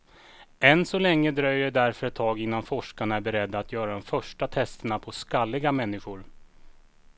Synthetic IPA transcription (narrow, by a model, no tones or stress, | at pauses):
ɛnsɔlɛŋːəd̪ɾœjːəɖæɾfœɾɛt̪ʰːɑːɡɪnːanfɔʂkaɳaæɾbɛɾɛd̪ːaːt̪ʰjœːɾad̪ɔmfœʂʈat̪ʰɛst̪əɳapʰɔskalːɪɡamɛnːɪɧʊɾ